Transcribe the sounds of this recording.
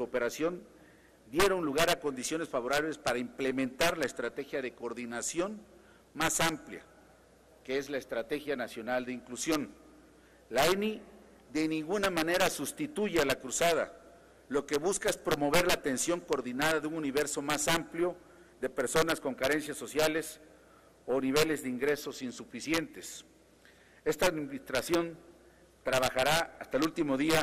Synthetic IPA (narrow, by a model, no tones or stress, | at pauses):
suope̞ɾasjo̞n | d̪je̞ɾounluɣaɾako̞nd̪isjo̞ne̞sfaβo̞ɾaβle̞spaɾaimple̞mẽnt̪aɾlaest̪ɾat̪e̞xjaðe̞koɾðinasjo̞n | masamplja̰ | kee̞zlaest̪ɾat̪e̞xjanasjo̞nald̪eiŋklusjo̞n | laeni | ðe̞nĩŋɡunamane̞ɾasust̪it̪uʝelakɾusað̞a̰ | lo̞ke̞βuskaespɾomo̞β̞e̞ɾlat̪e̞nsjo̞ŋkoɾðinaðaðeuŋuniβe̞ɾso̞masampljo̞ | ðe̞pe̞ɾso̞nasko̞ŋkaɾe̞nsjaso̞sjale̞s | oniβ̞e̞le̞zðeiŋɡɾe̞so̞sinsufisje̞nt̪e̞s | e̞st̪aːðminist̪ɾasjo̞n | t̪ɾaβaxaɾaast̪aelult̪imo̞ðia